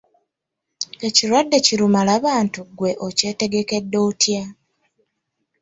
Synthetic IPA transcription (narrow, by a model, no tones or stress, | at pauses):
e̞ciɾwadːe̞ciɾumalaβaːntuɡwe̞ʔoce̞ːte̞ɡe̞ke̞dːo̞ːtja